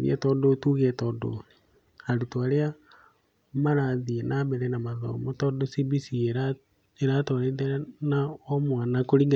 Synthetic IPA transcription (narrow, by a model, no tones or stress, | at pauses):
ðḭɛ̰tɔdotuɣɛtɔdo̰ | aɾutwaɾea | maɾaðienaβɛɾɛnamaðɔ̰motɔdosibisieɾa | eɾatɔɾeðɛɾanaɔmwanakoɾiɡa